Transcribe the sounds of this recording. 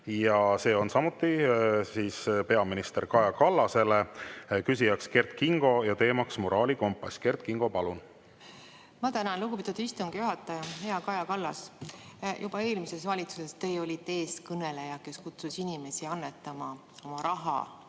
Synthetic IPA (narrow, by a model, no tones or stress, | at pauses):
jɑse̞ːo̞nsɑmut̪ːˑisiːspe̞ɑminist̪eɾkɑjɑkɑlːɑse̞lekysʲijɑkske̞rd̪̚kiŋɡ̥o̞jɑt̪e̞ːmɑksmoɾʔɑːliko̞mpˑːɑsʲke̞rt̪̚kiŋɡ̥o̞pɑlun | mɑt̪ænɑnluɡupit̪ːud̪ist̪uŋɡ̥juɦɑt̪ːˑɑjɑhe̞ɑkɑjɑkɑlːɑs | jub̥ɑe̞ːlmise̞svɑlʲit̪suse̞st̪e̞jo̞lʲit̪e̞ːskɤne̞le̞jɑke̞skut̪susinime̞siɑnːet̪ːˑɑmɑ | o̞mɑɾɑɦɑ̰